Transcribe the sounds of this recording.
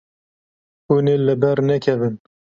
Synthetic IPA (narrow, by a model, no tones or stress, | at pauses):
hunelɨbɛɾnɛkʰɛvɨn